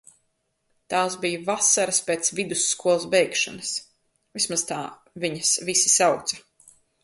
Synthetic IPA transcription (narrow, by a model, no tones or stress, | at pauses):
t̪aːsbijvasaɾaspeːt̪svid̪usːkuɔlˠzbɛjkʃɔnɐs | vismaz̥t̪aː | viɲasvisi̥sawt̪sɐ